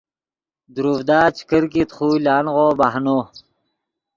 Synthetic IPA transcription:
d̪uɾuːvd̪aːt͡ɕʰi̥kəɾkit̪χuːlaːnʁoːbaɦnoː

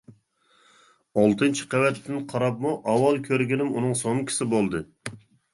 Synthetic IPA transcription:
ɑlˠt̪ʰɨnt͡ʃʰi̥qɛwɛt̪ʰːɪnqʰɑɾɑp̚muʔɑwɑlˠkʲʰøɾɡʲinɪmunɨŋsoŋkʲʰɪ̥sɪbolˠd̪ɨ

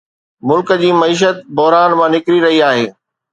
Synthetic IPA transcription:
mʊlkəd͡ʑiːmɐiːʃ̬ət̪̚bɔɦɾaːnmãnɪkɾiɾɐɦiaːɦeː

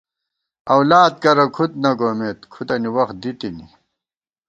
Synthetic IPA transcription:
ɐwlaːd̪̚kɐɾɐkʰut̪̚nɐɡoːmet̪kʰut̪ɐniwɐxt̪̚d̪it̪inḭ

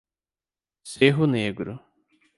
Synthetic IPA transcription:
seɦʊneɡɾʊ̰

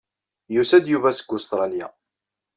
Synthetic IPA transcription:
jusæd̪juvæsə̥ɡːʊst̪ɾˤɑlja

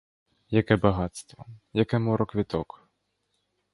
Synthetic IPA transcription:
jakɛbaɣat̪st̪vɔjakɛmɔɾɔkvʲit̪ɔk

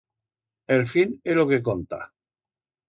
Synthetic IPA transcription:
elfinelokekont̪a̰

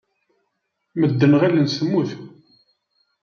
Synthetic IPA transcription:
məd̪ːənʁælənsəmːuθ

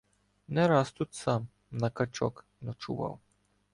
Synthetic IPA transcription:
nɛɾast̪ut̪sam | nakat͡ʃɔ̰k | nɔt͡ʃṵʋa̰w

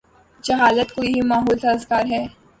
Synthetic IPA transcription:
d͡ʒɐɦaːlət̪koiɦimaːɦoːlt̪ɐzkaːɾɦɛː

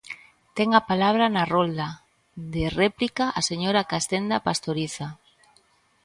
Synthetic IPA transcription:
t̪eŋapalaβ̞ɾanarold̪a | ðereplikaʔaseɲoɾakast̪end̪apast̪oɾiθa

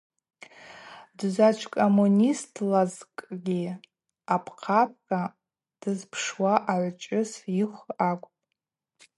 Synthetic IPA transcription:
dzʷat͡ʃʷʰkʼomunʲistʰlazkʼɡʲi | apʰqʰap̚ʰkʼa | d̥ɨzpʰʂwaʔaʕʷt͡ʃʷʼɪsiχʷakʷʼpʼ

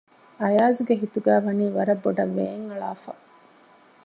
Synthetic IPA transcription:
ɐjaːzuɡeɦit̪uɡæːʋɐniːʋɐɾɐbːoɖɐʋːeːŋɐɭa̰ːfɐ̰

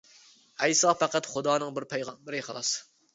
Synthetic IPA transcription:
ɛjsɑpʰæqæt̪χʊd̪ɑːnɨŋbɪɾpʰɛjʁɑnbɪɾɪqʰəlˠɑs

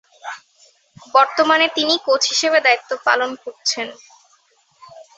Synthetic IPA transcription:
bɔɾt̪omanet̪inikot͡ɕʰɦiʃebed̪ait̪ːopa̰lonkoɾt͡ɕʰen

